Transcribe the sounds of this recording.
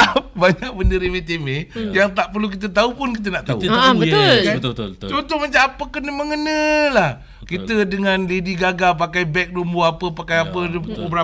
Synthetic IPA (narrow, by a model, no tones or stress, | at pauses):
p̚baɲak̚bəndəɾimet̪emejaŋt̪aʔpərluk̬it̪̬ət̪̬aupʊnkit̪̬ənaʔt̪aṵʊka̰t͡ʃɔnt̪ʊməɲt͡ʃaapəkənəməŋənəlah | kit̪ədəŋanlediɡaɡap̬akajbɛk̚dumbuapəpakajapəəbəɾa